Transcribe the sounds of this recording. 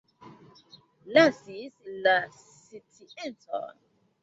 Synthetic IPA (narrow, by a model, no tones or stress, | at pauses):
lasisla | sitʰiʔɛntʼɔ̰